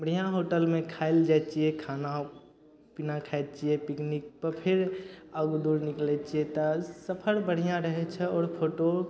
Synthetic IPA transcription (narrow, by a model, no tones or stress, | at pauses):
mɽ̤ijãɦoʈəlmẽkʰaeld͡ʒat͡ʃiɛkʰana | pinakʰajd̪̚t͡ʃiɛpiknik̚pəɾpʰeɾəɡd̪uɾniklɛt͡ʃijɛt̪ɔsəpʰəɾbəɽ̤ijãɾəɦɛt͡ʃʰɛɔːɾpʰoʈo